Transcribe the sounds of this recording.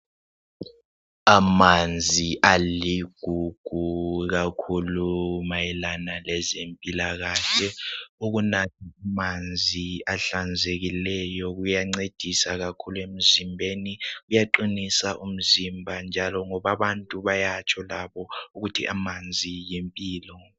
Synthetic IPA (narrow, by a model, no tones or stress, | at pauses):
amand͡zʱiʔaliɡ̥ʱuɡ̥ʱuk̬akʰulumajɛlanalɛzempʼilaɣ̬aɬɛuk̬unatʰiamand͡zʱiaɬand͡zʱek̬ilɛjɔk̬ujaŋ͡ǀed̥ʱisak̬akʰuluem̩zimbʱenikujaǃinisaʔum̩zimbʱand͡ʒʱalɔŋɔɓaɓantʼuɓajat͡ʃʰɔlaɓɔuk̬utʰḭʔamand͡zʱijempʼiːlɔ